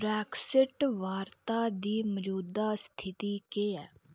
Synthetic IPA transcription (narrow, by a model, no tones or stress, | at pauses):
bɾɛːksɪʈʋaːɾt̪aːd̪iːməd͡ʒuːd̪aːst̪ʰɪt̪iːkeːɛː